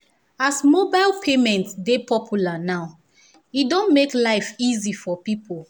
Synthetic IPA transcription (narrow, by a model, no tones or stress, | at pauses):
asmobaɪlpʰemɛ̃ntsdepʰɔpʰjulanaʊ | idõnmeklaɪfizifɔpipʰolˠ